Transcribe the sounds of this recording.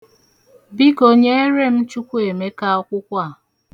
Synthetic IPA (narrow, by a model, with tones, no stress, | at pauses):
bi˦ko˨ɲe˦e˦ɾe˦m̩˦t͡ʃu˦kʷu˦e˨me˦ka˦ɔ˦kʷʊ˦kʷa˦˨